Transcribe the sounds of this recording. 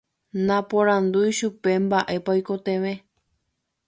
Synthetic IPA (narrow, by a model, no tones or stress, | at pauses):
nãpõɾãnd̪ujʃupe̞mbaʔe̞paojkot̪ẽ̞ʋẽ̞